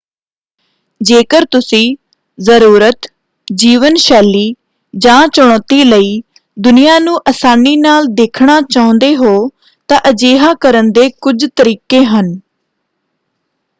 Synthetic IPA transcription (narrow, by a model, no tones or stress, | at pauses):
d͡ʒeːkəɾt̪ʊsĩː | zəɾuːɾət̪ | d͡ʒiːʋənʃɛːliː | d͡ʒãːt͡ʃʊɽ̃ɔːt̪iːləiː | d̪ʊnijaːnũːʔəsaːniːnaːld̪eːkʰɳaːt͡ʃaːʊ̃nd̪eːɦoː | t̪ãːʔəd͡ʒeːɦaːkəɾənd̪eːkʊd͡ʒt̪əɾiːkeːɦən